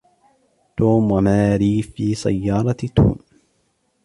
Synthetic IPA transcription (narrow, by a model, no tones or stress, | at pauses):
t̪oːmwamaːɾiːfiːsa̰jːɑːɾˤɑt̪ṵːm